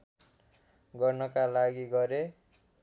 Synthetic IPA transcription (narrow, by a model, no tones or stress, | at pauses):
ɡʌrnʌkalaɡiɡʌɾe